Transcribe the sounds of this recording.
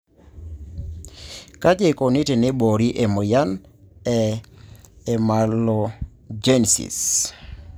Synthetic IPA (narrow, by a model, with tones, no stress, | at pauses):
ka˦d͡ʒe˦ko˨nɪ˦te˨ne˦bo˨ɾi˦ʔe˨mo˨ja˦n | ɛ˨ | e˨ma˨lo˨ | d͡ʒe˦n˨sḭ˨s